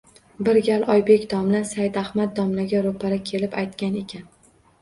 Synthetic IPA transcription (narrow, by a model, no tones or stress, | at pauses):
bɪɾɡʲalʔɒjbe̞kʲd̪ɒmlasajd̪ahmat̪̚d̪ɒmlaɡʲaɾopʰaɾakʲʰe̞lɪpajt̪kʲane̞kʲʰan